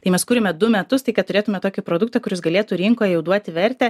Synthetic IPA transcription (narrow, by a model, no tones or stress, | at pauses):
t̪ɐɪmʲɛskuːɾʲɪmʲɛd̪ʊmʲɛt̪ʊst̪ɐɪkɐt̪t̪ʊɾʲeːt̪ʊmʲɛt̪oːkʲɪpɾoːd̪ʊk̚t̪ɐkʊɾʲɪsɡɐlʲeːt̪ʊɾʲɪŋkoːjɛjɛʊd̪uɔt̪ʲɪʋʲɛɾʲt̪ʲɛ